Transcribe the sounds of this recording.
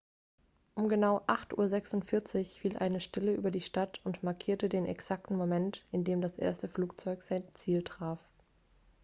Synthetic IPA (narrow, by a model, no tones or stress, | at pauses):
ʔʊmɡənaʊʔaχtʔṵːɐzɛksʊntfɪɐt͡sɪçfiːlʔa̰ɪnəʃtɪləʔy̰ːbɐdiːʃtatʊntmaɐkʰiːɐtədeːnʔɛ̰ksak̚tn̩momɛntɪndeːmdasʔḛːɐstəfluːk̚t͡sɔʏkz̥aɪnt͡siːltʁ̥aːf